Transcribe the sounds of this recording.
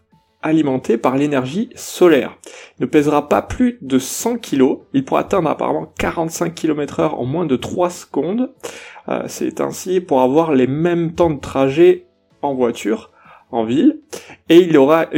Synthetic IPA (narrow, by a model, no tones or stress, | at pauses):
alimɑ̃t̪ʰepaʁlenɛʁʒisɔlɛ̰ʁinəpɛzʁapa̰plyd̪əsɑ̃kʲʰiloilpuʁa̰at̪ɛ̃d̪ʁa̰pa̰ʁa̰mɑ̃ka̰ʁɑ̃t̪sɛ̃kʲʰːilɔmɛt̪χœʁɑ̰̃mwɛ̃d̪ət̪χwasəɡɔ̃d̪ø̰sɛ̰t̪ɛ̰̃sipuʁavwaʁlemɛmt̪ɑ̃d̪ət̪χaʒe | ɑ̃vwat̪ʰyʁ | ɑ̃vileilɔʁa